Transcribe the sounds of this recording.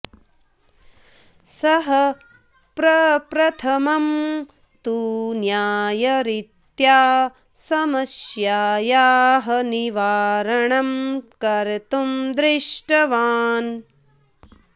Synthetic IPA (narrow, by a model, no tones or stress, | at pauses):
sɐɦɐ | pɾɐpɾɐt̪ʰɐmɐm | t̪unjaːjɐɾit̪jaː | sɐmɐsjaːjaːɦɐniʋaːɾɐɳɐmkɐɾt̪umd̪ɾɪʂʈɐʋaːn